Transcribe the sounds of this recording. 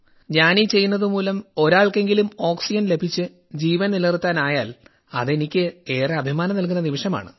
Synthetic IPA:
ɲaːnit͡ɕe̞jːunːɐðɨmuːlɐmo̞ɾaːɭke̞ŋɡilumo̞ːksid͡ʑɐnle̞bʱit͡ɕːɨ | d͡ʑiːʋɐnnilɐrt̪ːaːnaːjaːl | ɐ̰ðe̞nikʲːɨe̞ːreɐbʱimaːnɐmnɐlk̬unːɐniʋiʂɐma̰ːɳɨ

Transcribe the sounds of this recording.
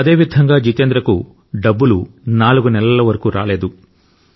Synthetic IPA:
ɐd̪eːʋid̪ʱɐŋɡaːd͡ʒit̪end̪ɾɐku | ɖɐbːulunaːluɡunɛlɐlɐʋɐɾɐkuːɾʔa̰ːle̞ːd̪u

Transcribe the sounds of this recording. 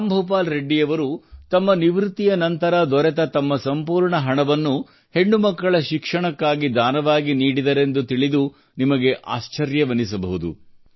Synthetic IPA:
ambʱup̬aːlɾeɖːijɐʋɐɾut̪ɐmːɐniʋɾut̪ːijɐnɐnt̪ɐɾɐd̪ɔɾɛt̪ɐt̪ɐmːɐsɐmpuːɾɳɐɦɐɳɐʋɐnːu | he̞ɳːumɐkːɐɭɐʃikʂɐɳɐkːaːɡid̪ʱaːnɐʋaːɡiniːɽid̪ɐɾe̞nd̪ut̪iɭid̪u | nimɐɡe̞ʔa̰ːst͡ʃɐɾjɐʋɐnisɐbɐɦud̪ṵ

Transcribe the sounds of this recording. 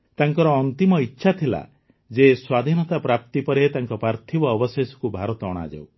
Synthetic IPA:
t̪aŋkɔɾɔːnt̪imɔitːʃʰat̪ʰila̰ | d͡ʒeswad̪ʱinɔt̪apɾap̚t̪ipɔɾet̪aŋkɔpɾaɾt̪ʰibɔːbɔsesɔ̥kubʱaɾɔt̪ɔɔɽ̃a̰d͡ʒa̰w

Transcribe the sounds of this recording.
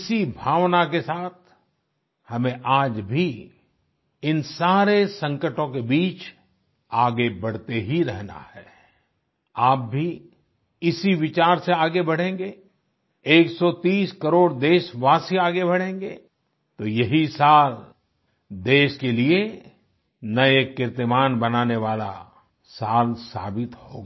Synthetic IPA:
ɪsibʱaːʋnakesaːt̪̚ʰ | hɐmẽʔaːd͡ʒbʱi | ɪnsaːɾesɐ̃ŋkəʈõkebiːt͡ʃ | aːɡebɐɽ̤t̪eɦiɾɛɦna̰hɛː | aːp̚bʱi | ɪsiʋɪt͡ʃaːɾseaːɡebɐɽ̤ẽːŋɡe | eːksɔt̪iːskɐɾoːɽd̪eːʃʋaːsiaːɡebɐɽ̤ẽːŋɡe | t̪oːjɐɦisaːl | d̪eːʃkelie | nɐjekɪɾt̪əmaːnbɐnaːneʋaːla̰ | saːlsa̰ːbɪt̪ho̰ːɡaː

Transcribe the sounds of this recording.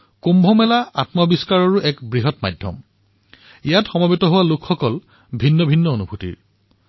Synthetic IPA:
kombʱɔmɛlaatmɔbiskaɹaɹuʔɛkbɹiɦɔtma̰jdʱjɔ̰m | ijatxɔmabitɔɦʊwalʊkʰxɔkɔl | bʱinːɔbʱinːɔonubʱutḭɹ

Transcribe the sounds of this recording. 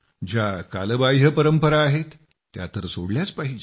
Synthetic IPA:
d͡ʑjaka̰ləbajɦəpəɾəmpəɾaːɦet̪ː | ja̰t̪əɾsoɽljat͡spaɦid͡ʑe

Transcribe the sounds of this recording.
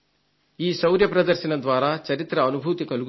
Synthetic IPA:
iːsɐwɾjɐpɾɐd̪ɐɾʃɐnɐd̪ʋaːɾɐt͡ʃɐɾit̪ɾɐːnubʱut̪ikɐluɡ

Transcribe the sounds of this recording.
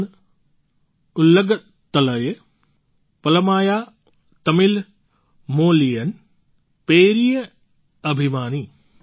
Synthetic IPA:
n | ulːɐɡɐ | t̪ːɐlɐje | pɐlɐmaːjaː | t̪ɐmil | moːlijɐn | peːɾijɐ | ɐbʱimaːni

